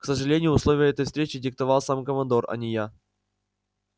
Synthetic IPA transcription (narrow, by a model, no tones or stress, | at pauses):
ksəʐɨlʲenʲɪjʊʊslˠovʲɪjəɛt̪əjfst̪ɾʲet͡ɕɪdʲɪk̚t̪ɐvalˠsamkəmɐnd̪orɐ̰nʲɪja